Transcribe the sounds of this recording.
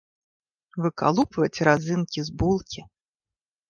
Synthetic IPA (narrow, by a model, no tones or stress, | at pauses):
vɨka̰lˠupvɐt͡sʲɾazɨnkʲizbulˠkʲi